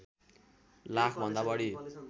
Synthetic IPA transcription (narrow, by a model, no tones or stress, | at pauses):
lakʰbʱʌnd̪abʌɽi